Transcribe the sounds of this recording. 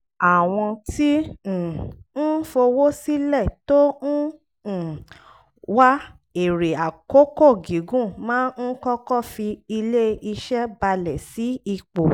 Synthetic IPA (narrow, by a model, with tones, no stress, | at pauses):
a˨w̃ɔ̃˧tĩ˦˨ | n̩˦fo˧wo˦si˦lɛ˦˨to˦n̩˦˨ | wa˦ | e˦˨ɾe˨a˨ko˦ko˦˨ɡi˨˦ɡũ˦˨mãː˦n̩˦kɔ˦kɔ˦˨fi˧i˧le˦i˧ʃɛ˦ba˧lɛ˨si˨˦i˦˧k͡po˨